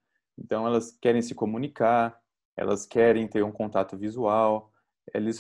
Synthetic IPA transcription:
ẽt̪ɐ̃w̃ɛlɐskɛɾẽj̃sɪkomũnikaɾ | ɛ̰lɐskɛɾẽj̃t̪eɾũkõnt̪at̪ʊvizuaw | ɛ̰lɪs

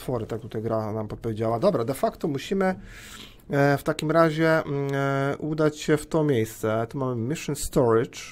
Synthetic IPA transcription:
fɔɾɘt̪ak̚t̪ut̪ajɡɾanamɔt̪̚pɔvʲed͡ʑawad̪ɔbɾad̪ɛfakt̪ɔmuɕimɘ | ft̪akʲimɾaʑɛ | ud̪at͡ɕɕɛft̪ɔmʲjejst̪sɛt̪ɔmamɘmʲiʂɨnst̪ɔɾɪt͡ʂ

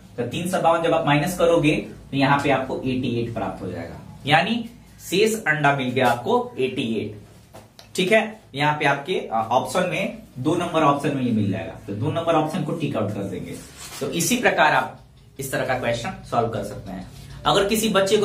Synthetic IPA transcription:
t̪ot̪iːnsɐbaːʋə̃nd͡ʒɐbaːpmaːɪnəskɐɾoːɡet̪ojɐɦãpeaːp̚koʔeːʈieːʈpɾa̰ːp̚t̪ɦod͡ʒa̰ːḛːɡa̰ːjaːni | seːsɐ̃ɳɖamɪlɡɐjaaːp̚koeːʈieːʈ | ʈʰiːkɦɛːjɐɦãpeaːp̚keɔːpʃənmẽd̪oːnɐ̃mbəɾɔːpʃənmẽjemɪld͡ʒa̰ːḛɡa̰ːt̪od̪oːnɐ̃mbəɾɔːpʃənkoʈiːkaʊʈ̚kɐɾd̪ḛ̃ːŋɡḛː | t̪oʔɪsipɾɐkaːɾaːp̚ | ɪst̪ɐɾəkakwɛːst͡ʃənsaːlʋkɐɾsɐk̚t̪eɦɛ̰̃ːɐɡəɾkɪsibɐtːʃeko

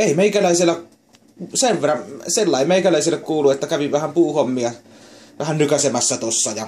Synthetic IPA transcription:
eˑimeikælæˑisilːæ | seʋʋerːɑmselːɑˑimeˑikælæˑisilːˑekkuːluet̪ːækæʋiʋʋæhæmpuːhomːiɑ | ʋæhænnykæsemæsːæt̪osːɑjɑ

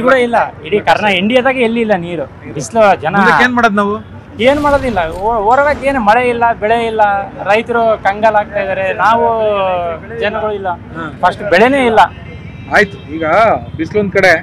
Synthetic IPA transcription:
kuɽɐilːɐiɽikɐɾɐɳɐeɳɖijɐd̪aːɡielːiːlːɐniːɾu | bʱislud͡ʒɐnɐɐkeːnmaːɽod̪naːʋu | eːnumaːɽoːd̪ilːɐooːɾɐʋakeːnumɐɭeilːɐbɛɭeilːɐɾɐjt̪ɐɾukɐŋɡalaːɡ̚t̪aːjd̪aːɾenaːʋu | d͡ʒɐnɐɡɐɭuilːɐ | pʰɐsʈbɛɭene̞ːilːɐ | aːjit̪u̥iːɡɐbislond̪̚kɐɽe

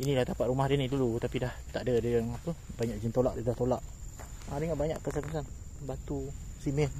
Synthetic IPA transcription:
inilaht̪apat̪̚ɾumahdənidulut̪apidaht̪aʔdədəŋapəbaɲaʔd͡ʒint̪olaʔdədaht̪olaʔ | adəŋaʔbaɲaʔkəsankəsan | bat̪usimɛl

